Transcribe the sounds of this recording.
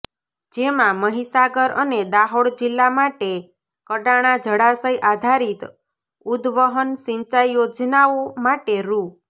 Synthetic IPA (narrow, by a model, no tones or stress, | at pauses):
d͡ʒemãməɦisaɡəɾəned̪aɦoɽd͡ʒilːamaʈe | kəʈaɽ̃ad͡ʒəɽasəjʔad̪ʱaɾit̪ | ud̪ʋəɦənsĩɲt͡ʃajjod͡ʒnaomaʈeɾu